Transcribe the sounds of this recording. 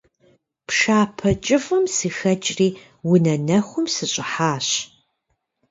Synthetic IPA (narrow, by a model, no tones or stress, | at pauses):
pʂaːpʰɐt͡ʃʼɪfɐmsixɐt͡ʃʼriː | wʊnɐnɐxʷʊmsɨɕʼɪħaːɕ